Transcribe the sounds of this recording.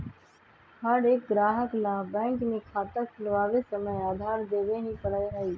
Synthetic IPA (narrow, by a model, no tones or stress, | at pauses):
həɾeːk̚ɡɾaːɦəklabɛ̃ːŋkmẽkʰaːt̪əkʰɪlʋaːʋesəməjaːd̪ʱaːɾd̪eːʋeɦĩpəɽəɦəiː